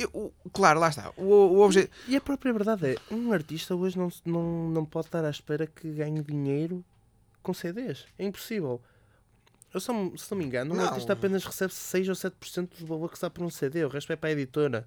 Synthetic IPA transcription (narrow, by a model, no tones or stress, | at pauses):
ewʔuklˠaɾulˠaʃt̪a̰uɔβʒɛiɐpɾɔpɾiɐβɨɾðaðɛũɐɾt̪iʃt̪ɐoʒnɐ̃w̃nɐ̃w̃nɐ̃w̃pɔðt̪aɾaʃpɛɾɐkʰɨɣaɲðiɲejɾu | kõseðeʃɛĩmpu̥sivɛlˠ | ewsɔsɨnumĩŋɡɐnũũɐɾt̪iʃt̪ɐapenɐʃʁɨsɛβssejzosɛt̪̚puɾsẽnt̪uðuβɐlˠoɾksapɔɾũseðeuʁɛʃt̪wɛpɾaiðit̪oɾɐ